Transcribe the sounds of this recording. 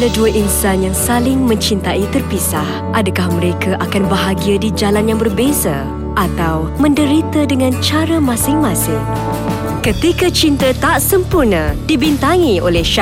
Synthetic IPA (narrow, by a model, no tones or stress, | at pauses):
ləduəʔinsanjaŋsalɪŋmə̃ɲt͡ʃint̪aʔit̪ərpisah | ʔadakahmə̃ɾekaʔakanbəɦaɡiadid͡ʒalanjaŋbərbeza̰ | ʔat̪aw | mə̃ndəɾit̪adəŋãnt͡ʃaɾəmãsɪŋmãsɪŋ | kət̪ikat͡ʃint̪ət̪aʔsəmpurnə̃dibint̪aŋiʔo̰lɛhʃa